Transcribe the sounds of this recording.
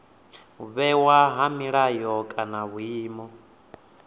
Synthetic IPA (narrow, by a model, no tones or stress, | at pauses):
uβɛwaɦamiɺajɔkʼanaβuiːmɔ